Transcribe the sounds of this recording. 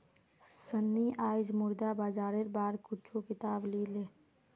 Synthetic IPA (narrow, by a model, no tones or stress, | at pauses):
sənːiʔaːɪd͡ʒmʊɾd̪abaːd͡ʒaːɾeɾbaːɾkʊt͡ʃʰokɪt̪aːbliːleː